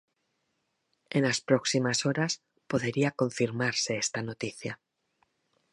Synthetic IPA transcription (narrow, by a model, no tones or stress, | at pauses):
e̞nlaspɾo̞ksimaso̞ɾas | po̞ðeɾiako̞ɱfiɾmaɾse̞est̪ano̞t̪iθja